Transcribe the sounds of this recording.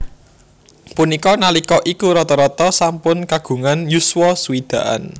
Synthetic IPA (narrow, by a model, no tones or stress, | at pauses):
punikɔnalikɔʔikuɾɔt̪ɔɾɔt̪ɔsampʊnkaɡ̥ṳŋanjuswɔsuwid̪̥ä̤ʔa̰n